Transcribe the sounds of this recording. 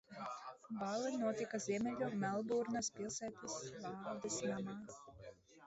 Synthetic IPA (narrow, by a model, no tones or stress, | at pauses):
baːlˠinuɔt̪ikazʲiɛmʲɛlʲumɛlˠd̪uːɾnaspilˠsæːt̪esvaːɾd̪ɛsnamɑː